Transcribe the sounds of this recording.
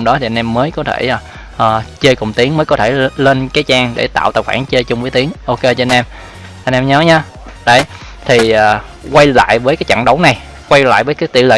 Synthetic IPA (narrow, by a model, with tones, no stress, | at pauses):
ŋ͡mɗɔ˨˦t̪ʰi˨˩a˧nʔɛ˧mːəː˨˦jkɔ˨˦t̪ʰe˧˩˨ | ʔəː˨˩t͡ɕəː˧jkʊ˨˩ŋ͡mt̪i˨˦əŋməː˨˦jkɔ˨˦t̪ʰe˧˩le˧nkaː˨˦jt͡ɕaː˧ŋɗe˧˩t̪a̰ː˧˨wt̪a̰ː˧˩jxwaː˧˩ŋt͡ɕəː˧jt͡ɕʊ˧ŋ͡mvəː˨˦t̪i˨˦əŋʔo˧ke˧t͡ɕa˧nʔɛ˧m | ʔa˧n̟ʔɛ˧mɲəː˨˦ɲaː˧ | ɗə˧˩j | t̪ʰi˨˩əː˨˩ | kwa˧jla̰ː˧˨jvəː˨˦jkaː˨˦jt͡ɕə̰˧˨ŋɗə˨˦wna˨˩j | kwa˧jla̰ː˧˨jvəː˨˦jkaː˨˦jt̪ḭ˧˨lə̰˧˨